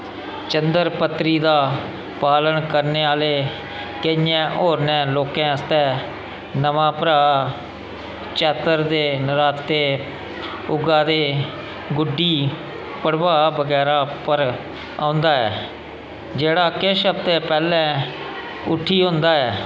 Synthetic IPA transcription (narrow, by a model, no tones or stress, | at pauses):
t͡ʃənd̪əɾpət̪ːɾiːd̪aː | paːlənkəɾneːaːleː | kəɪjɛ̃ːʔoːɾnɛ̃ːloːkɛ̃ːəst̪ɛ̃ː | nəʋãːpəɾaː | t͡ʃɛːt̪əɾd̪eːnəɾaːt̪ːeː | ʊɡãːd̪eː | ɡʊɖːiː | pəɽʋaːbəɡɛːɾaːpəɾ | ãːʊnd̪aːɛ̰ː | d͡ʒeːɽaːkɪʃəb̚t̪eːpɛːlɛ̃ː | ʊʈʰːiːɦʊ̃nd̪aːɛː